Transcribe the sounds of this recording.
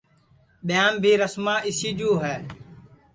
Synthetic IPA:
ɓɪjãːmbʱiːɾəsmãːʔɪsiːd͡ʒuːɦɛː

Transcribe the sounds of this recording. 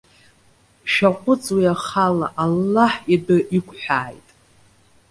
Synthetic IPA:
ʃᶣaqʷʼʊt͡sʼwiaχala̰ʔalːaħidɨʔikʷʰʼħʷᶣaːjtʼ

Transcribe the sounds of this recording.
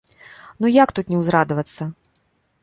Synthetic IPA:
nujakt̪ut̪nʲɛwzɾad̪ɐvɐt̪sːɐ

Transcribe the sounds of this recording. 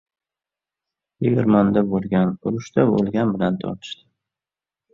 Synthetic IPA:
jeɡʲɪɾmand̪abolˠɡʲanʊɾʊʃt̪abo̰lˠɡʲanbɪlant̪ʰɒ̰ɾt̪ʰɪ̥ʃt̪ɪ̥

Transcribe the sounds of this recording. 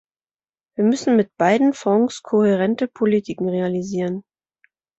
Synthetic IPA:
viːɐmʏsn̩mɪt̚b̥aɪdn̩fɔ̃ŋskʰohɛʁ̞ɛntəpʰolitʰikŋ̩ʁealiziːʁ̞ən

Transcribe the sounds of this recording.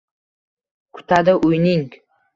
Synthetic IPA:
kʰʊ̥t̪ʰad̪ɪʔʊjnɪŋ

